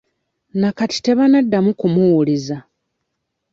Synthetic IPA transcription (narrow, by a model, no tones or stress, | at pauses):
nakati̥te̞βanadːamukumuwuliza